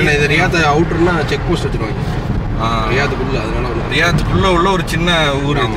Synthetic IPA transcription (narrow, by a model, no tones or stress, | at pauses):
ɪlːɐɪðɐɾɪjaːt̪̬ɐɐʊʈɯnaːt͡ʃɛk̚poːsʈɐt̪ːɪkʋa | aːɾɪjaːt̪ːɯkʊlːɐɐðɯnaːlɐɔɾɯɾɪjaːt̪ːɯkːʊɭːɐɔɭːɐɔɾɯt͡ʃɪnːɐuːɾi